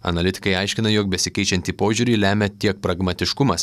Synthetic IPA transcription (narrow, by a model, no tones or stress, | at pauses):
ɐ̰nɐlʲɪt̪ʲɪ̥kɐɪɐɪʃʲkʲɪnɐjoːk̚bʲɛsʲɪkʲɛɪt͡ʃʲɛnʲt̪ʲiːpoːʒʲuːɾʲiːlʲæːmʲɛt̪ʲiɛk̚pɾɐɡmɐt̪ʲɪʃkʊmɐs